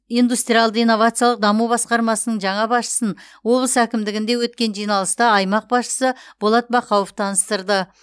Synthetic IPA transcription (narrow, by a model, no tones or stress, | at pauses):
ijnd̪ust̪ɾʲijalˠd̪əijnːo̞vat̪sɨjalˠəq̚d̪ɑmubɑsqɑɾmɑsənəɴʒɑɴɑbɑsʃə̥sənwo̞blˠəsækʲɪmd̪ɪɡʲɪnd̪e̞wɵt̪̚kʲe̞nʒijnɑlˠəst̪ɑɑjmɑq̚bɑsʃə̥səb̥olˠɑt̪̚bɑqʰɑwəft̪ʰɑnəst̪əɾd̪ə